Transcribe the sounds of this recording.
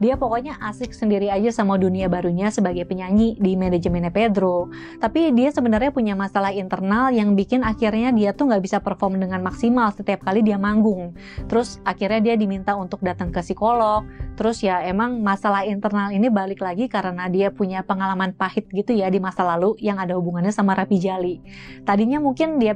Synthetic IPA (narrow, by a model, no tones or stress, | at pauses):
diapokoɲaʔasɪk̚səndiɾiad͡ʒasamaduniabaɾuɲasəbaɡajpəɲaɲidimened͡ʒəmeneped̪ɾo | t̪apidiasəbənərɲapuɲamasalahint̪ərnaljaŋbikɪnakɪrɲadiat̪ʊhŋɡaʔbisapərfɔrmdəŋanmaksimalsət̪iap̚kalidiamaŋɡʊŋ | t̪əɾʊsakirɲadiadimint̪aunt̪ʊk̚dat̪aŋkəsikolɔk̚t̪əɾʊsjaemaŋmasalahint̪ərnalinibalɪklaɡikaɾənadiapuɲapəŋalamanpahɪt̪̚ɡit̪ujadimasalalujaŋadahubuŋanɲasamaɾapid͡ʒali | t̪adiɲamuŋkɪndia